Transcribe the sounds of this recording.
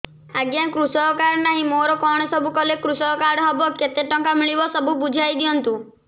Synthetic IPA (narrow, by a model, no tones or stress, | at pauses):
aɡjakɾusɔkaɾnaɦĩmoɾɔkɔɽ̃ɔsɔbʱukɔlekɾusɔkaɾɽɦɔbɔket̪eʈɔŋkamiɭibɔsɔbubud͡ʒʱajd̪ijɔnt̪u